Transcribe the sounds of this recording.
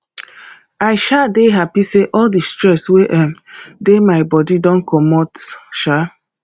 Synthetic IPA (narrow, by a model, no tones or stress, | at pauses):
aɪʃadeɦapiseʔɔldistɾɛsweʔɛmdemaɪbɔdidɔ̃nkʰɔmɔtʃa